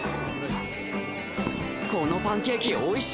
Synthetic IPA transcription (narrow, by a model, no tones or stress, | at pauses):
kʰonopãŋkekʲioiɕ